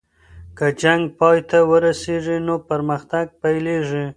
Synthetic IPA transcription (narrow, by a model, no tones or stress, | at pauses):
kəd͡ʒaŋɡ̚pɑjt̪awəɾaseʐinopəɾməxt̪aɡ̚pajleʐi